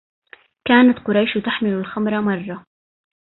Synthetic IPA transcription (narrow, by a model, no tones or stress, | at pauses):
kaːnat̪qʊɾˤɑjʃt̪aħmɪlʊlxamɾˤɑmɑrˤːɑ